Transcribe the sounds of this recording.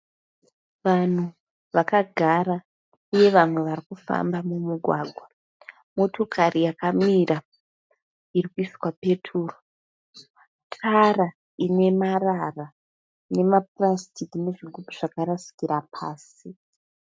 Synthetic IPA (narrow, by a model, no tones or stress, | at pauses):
ʋan̤u | ʋakaɡʱaɾa | uje̞ʋamwe̞ʋarikufa̰mbamumuɡʱwaːɡʱwa | mo̞to̞kʰaɾijakamiɾa | iɾikuiswape̞tʰuːro | tʰara | ine̞marara | ne̞maprastikine̞ʐiɡʱupuʐ̥akaɾasi̥kiɾapʰaːs | i